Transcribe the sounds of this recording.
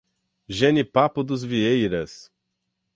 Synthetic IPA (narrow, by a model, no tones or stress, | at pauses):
ʒẽnipapʊd̪ʊzviejɾɐs